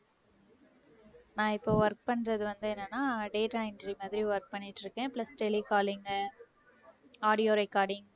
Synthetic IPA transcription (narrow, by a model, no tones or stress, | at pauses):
nãːɪpːoːʋɐɾk̚pɐɳːɾɐðɯʋɐnd̪ɯɛnːɐnːaːɖeːʈaɪnɖɾimaːðɪɾiʋɐɾk̚pɐɳːɪʈːɪɾɯkːẽːplɐsʈɛlikaːlɪŋɡɐ | aːɽɪjoːɾɛkːaːɽɪŋ